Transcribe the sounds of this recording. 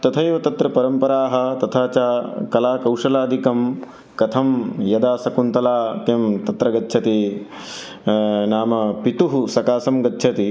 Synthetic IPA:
t̪ɐt̪ʰɐjʋɐt̪ɐt̪ɾɐpɐɾɐmpɐɾaːɦɐ̆t̪ɐt̪ʰaːt͡ʃaːkɐlaːkɐwʂɐlaːd̪ʱikɐm | kɐt̪ʰɐmjɐd̪aːsɐkunt̪ɐlaːkemt̪ɐt̪ɾɐɡɐtːʃʰɐt̪i | naːmɐpit̪uɦusɐkaːsɐmɡɐtːʃʰɐt̪i

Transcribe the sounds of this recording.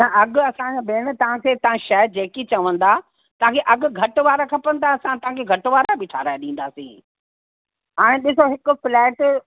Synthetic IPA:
nɐʔɐɠʊɐsãd͡ʑobeːnɪ̆t̪ɐʋ̤ãkʰeːt̪ɐʋ̤ãʃɛːɦɾd͡ʑeːkit͡ɕɐʋə̃nd̪aː | t̪ɐʋãkʰeʔɐɠʊ̆ɡʱɐʈʊʋaːɾakʰɐpə̃nd̪aɐsãt̪ɐ̃ɦãkʰeɡʱɐʈʊʋaːɾabɪʈʰa̰ːɾaːeɗĩːn̆d̪aːsḭ̃ː | ɦãːɗɪs̬oɦɪkʊ̆flɛːʈ

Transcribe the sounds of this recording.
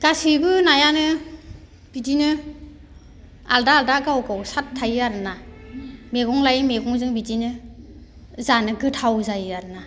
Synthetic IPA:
ɡ̥asibɯnajanɯ | b̥idinɯ | a̰ldaːldaɡawɡawsatʰːajaɾɯna | meɡɔŋlajmeɡɔŋzɯŋbidinɯ | zanɯɡɯtʰawzajaɾɯna

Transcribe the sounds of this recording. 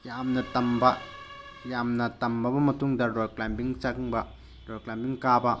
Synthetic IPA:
jamnɐtɐmbɐ | jamnɐt̪ɐmbɐbɐmɐt̪uŋdɐɾɔjklambiŋt͡ʃakŋbɐ | ɾɔjklambiŋkabɐ

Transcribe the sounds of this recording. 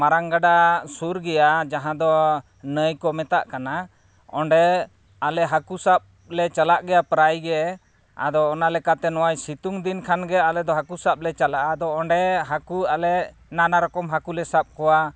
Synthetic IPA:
maɾaŋɡaɖasuɾɡɛjad͡ʒaɦãd̪ɔ | nəjkɔmɛt̪a̰ʔkana | ɔɳɖɛ | alɛɦakusap̚ | lɛt͡ʃalaʔɡɛjapɾajɡɛ | a̰d̪ɔːnalɛkat̪ɛnɔwajsit̪uŋd̪inkʰanɡɛalɛd̪ɔɦakusap̚lɛt͡ʃalaʔad̪ɔɔɳɖɛɦakualɛ | nanaɾɔkɔmɦakulɛsap̚kɔwa

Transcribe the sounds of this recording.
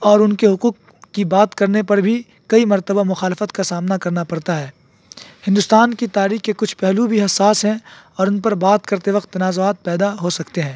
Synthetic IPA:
ɔːɾʊnkeɦʊquːqː | ibaːt̪kɐɾnepɐɾbʱi | kɐimɐɾt̪əbamʊxaːlɪfət̪kasaːmnakɐɾnapɐɾt̪aɦɛː | hɪ̃nd̪ʊst̪aːnkit̪aːɾiːxkːekʊt͡ʃʰpɛɦlubʱiɦɐsːaːsɦɛ̃ɔːɾʊnpɐɾbaːt̪kɐɾt̪eʋɐqt̪ːɐnaːzoaːt̪̚pɛːd̪aɦosɐkt̪eɦɛ̃ː

